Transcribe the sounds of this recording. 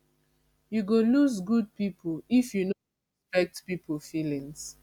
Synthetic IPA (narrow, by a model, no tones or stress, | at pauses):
juɡoluzɡud̚pipʰlifjuno | ɛspɛk̚tpipʰəlfilĩŋs